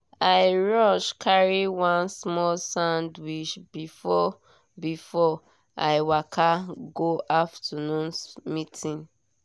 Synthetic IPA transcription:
aɪɹɔʃkʰaɹiwãnsmɔlsãʊndwiʃbifɔ | bifɔ | aɪwakʰaɡoʔaftʰanũnsmitʰĩn

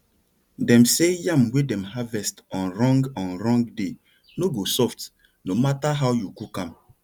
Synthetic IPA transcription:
dɛ̃msejãmwedɛ̃mɦavɛstɔ̃nɾɔ̃ŋɡãnɾɔ̃ŋɡde | noɡosɔft | nomataɦawjukukãm

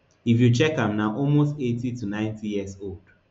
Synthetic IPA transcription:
ifjut͡ʃɛkãmnaʔɔlmostetitunãɪ̃ntijiɛsold

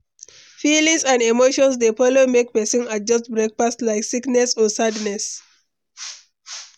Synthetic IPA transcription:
filĩŋsãndemoʃɔ̃nsdefɔlomek̚pɛsɔ̃nad͡ʒʌst̚bɹek̚pastlaɪksiknɛsɔsadnɛs

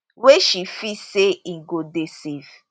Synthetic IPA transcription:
weʃifiseiŋ̩ɡodesev

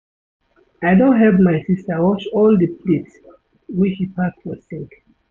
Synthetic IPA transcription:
aɪdõntɦɛvmaɪsistəwɔt͡ʃɔldəplits | wit͡ʃhipʰakwɔssĩŋk

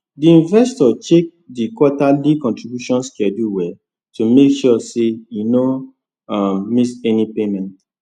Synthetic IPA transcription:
diĩɱvɛstɔt͡ʃek̚dikwɔtalikɔ̃ntɹibjuʃɔ̃nskɛduwɛ | tumekʃɔsejuno | ammisɛnipemɛ̃nt

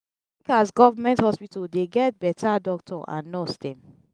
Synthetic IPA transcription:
ikasɡɔvamɛ̃nthɔspitldeɡɛt̚bɛtʰadɔk̚tʰɔʔã̰nːɔsdɛ̃m

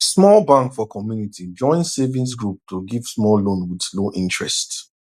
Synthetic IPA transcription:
smɔlbãŋkfɔkʰɔmjunitʰid͡ʒɔ̃ɪ̃nsevĩns̬ɡɹup̚tʰoɡiv̥smɔllõnwidsloʔĩntɹɛ̰st

